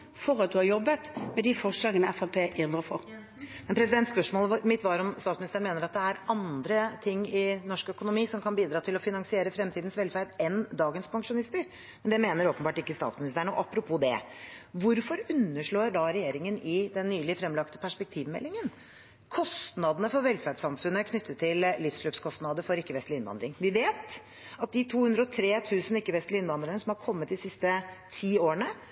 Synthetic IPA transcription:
fɔɾɑt̪̚d̪ʉhɑɾjɔbːət̪mɛd̪ifɔʂlɑːɡənəɛfæpʰeːʔɪd̪əfɔɾ | mɛnpʰɾɛsɪd̪ɛnt̪spœʂmoːlˠmɪt̪ʰʋɑːɾɔmst̪ɑːsmɪnɪst̪əɳmeːnəɾɑt̪̚d̪ɛæɾɑnd̪ɾət̪ʰɪŋːɪnɔʂkœkʊnʊmiːsɔmkʰɑnbiːd̪ɾɑːt̪ʰɪlɔfɪnɑŋsɪeːɾəfɾɛmt̪ʰiːd̪n̩sʋɛlfæɾd̪ɛnd̪ɑːɡənspʰɑŋkʂʊnɪst̪əɾ | mmɛnd̪ɛmeːnəɾoːpənbɑːʈɪkːəst̪ɑ̰t̪smɪnɪst̪əɳəɔ̰ʔɑpːɾʊpʰuːd̪ɛ̰ʋʊɾfɔɾʉnːəʂɭoːɾɖɑɾɛjeːɾɪŋənɪd̪ɛnːyːlɪfɾɛmlɑkt̪ə̥pʰæʂpɛk̚t̪ʰiːʋmɛ̰lːɪŋən | kʰɔst̪nɑd̪ənəfɔɾʋɛlfæɖsɑmfʉnːəæɾkʰnʏt̪ːət̪ʰːɪllɪfsɭøːpskʰɔst̪nɑd̪əɾfɔɾɪkːəʋɛst̪lɪɪnʋɑ̰nd̪ɾɪŋʋɪʋeːt̪ | ɑt̪̚d̪ɪt̪ʰuːhʉnd̪ɾəɔt̪ʰɾeːt̪ʰʉːsənɪkːəʋɛst̪lɪɪnʋɑnd̪ɾənəsɔmhɑɾkʰɔmːət̪̚d̪ɪsɪst̪ət̪ʰiːoːəɳə

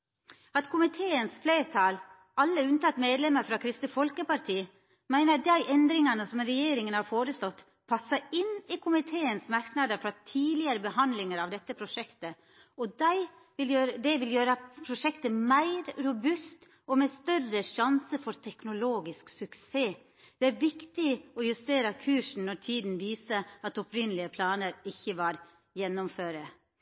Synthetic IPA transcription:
ɑt̪kʰʊmɪt̪ʰeːənsfleːɾt̪ʰɑl | ɑlːəʉnət̪ɑt̪ːmeːd̪lɛmːəɾfɾɑkʰɾɪst̪əfɔlkəpɑɾt̪ʰiː | mæɪnəd̪æɪʔɛnd̪ɾɪŋɑnəsɔmɾɛjeːɾɪŋənhɑɾfoːɾəst̪ɔt̪ː | pʰɑsːəɾɪnːɪkʰʊmɪt̪ʰeːənsmɑɾknɑd̪əɾfɾɑt̪ʰiːlɪəɾəbəhɑnd̪lɪŋəɾɑʋd̪ɛt̪ːəpʰɾʊʂɛkt̪ə | ɔd̪æɪ | ʋɪljøːɾd̪ɛʋɪljøːɾəpʰɾʊʂɛkt̪əmæɪɾɾʊbʉst̪ | ɔmɛst̪œrəʂɑnsəfɔɾt̪ʰɛknʊloːɡɪsksʉkseː | d̪̥ɛæɾʋɪkt̪ɪɔjʉst̪eːɾəkʰʉːʂn̩nɔɾt̪ʰiːd̪n̩ʋiːsəɑt̪ɔpɾɪnəlɪəpʰlɑːnəɾɪçːəʋɑɾ | jɛnːɔmføːɾə

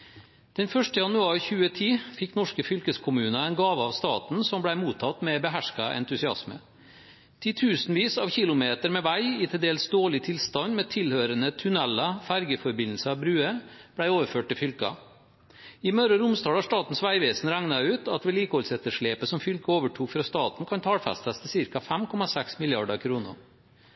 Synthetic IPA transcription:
d̪̥ɛnfœʂʈəjɑnʉɑːɾçʉːət̪ʰiːfɪkːnɔʂkəfʏlkəskʰʊmʉːnɑæɪnɡɑːʋəɑʋst̪ɑ̰ːt̪n̩sɔmblæɪmuːt̪ʰːɑt̪mɛbəɦæʂkɑʔɛ̰nt̪ʉsɪɑ̰smə̰ | t̪ʰɪt̪ʰʉːsnʋiːsɑːʋçɪlʊmeːt̪əɾmɛʋæɪɪt̪ʰɪld̪eːlsd̪oːɭɪt̪ʰɪlst̪ɑnmɛːt̪ʰɪlhøːɾənət̪ʰʉnɛlːɑfæɾɡəfɔɾbɪnl̩səɑʋbɾʉːəb̥ɽæɪoːʋəɾføːʈ̚t̪ɪfʏlkɑ̰ | ɪmœɾəɾʊmst̪ɑːlɑʂt̪ɑːt̪n̩sʋæɪʋeːsn̩ɾæŋnɑʉːt̪ɑt̪ʋɛːliːkəhɔlsɛt̪əʂɭeːpəsɔmfʏlkəoːʋəʈʰuːkfɾɑst̪ɑːt̪n̩kʰɑnt̪ʰɑːlfɛ̰st̪əst̪ʰəsɪɾkɑfæmkʰɔmɑsɛksmɪljɑɖəkʰɾuːnə̰ɾ

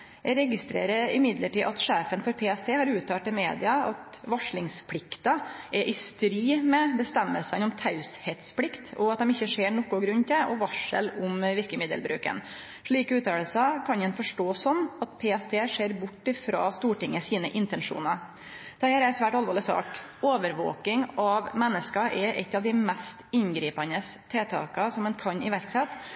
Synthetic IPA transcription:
jɛɾɛɡɪst̪ɾḛːɾəɾɪmɪd̪ləʈiːʔɑt̪ʂeːfənfɔɾpʰeːɛst̪ʰeːhɑɾʉːt̪ʰɑːʈ̪ɪmeːd̪ɪɑɑt̪ | ʋɑʂɭɪŋspʰlɪkt̪ɑʔɛʔɪst̪ɾiːmɛbəst̪ɛmːəlsənɔmt̪ʰɑʉshɛt̪splɪkt̪ɔɑt̪d̪ɛmɪçːəʂeːɳɔkːʊɡɾʉnːt̪ʰɪʔɔʋɑʂə̰lʊmʋɪɾkəmɪd̪əlbɾʉ̰ːkə̰n | ʂɭiːkʉːt̪ɑəlsɑkʰɑnɛnfɔʂʈoːsɔmɑt̪̚pʰeːɛst̪ʰeːʂeːɾbʊʈːɪfɾɑ̰ːst̪uːʈɪŋːəsiːnəʔɪnt̪ɛnʂṵːnɑ | d̪̥ɛhæːɾæɾsʋæːʈɑlʋoːlɪsɑ̰ːk | oːʋəɾʋo̰ːkɪŋɑʋmɛnːəskɑʔɛʔɛ̰t̪ːɑʋd̪ɪmɛst̪ɪnɡɾiːpɑnəst̪ʰeːt̪ʰɑ̰ːkɑsɔmɛnkʰɑnɪ̰ʋæɾksɛt̪

